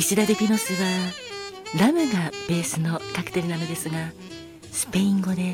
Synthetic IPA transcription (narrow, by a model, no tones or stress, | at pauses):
iɕid̪ad̪ekʲino̞sɨβa | ɾamɯ̟ɡab̥e̞ːsɨno̞kakɯ̥t̪eɾɯnano̞d̪e̞sɨɡa | sɨ̥pe̞ĩŋɡo̞d̪e̞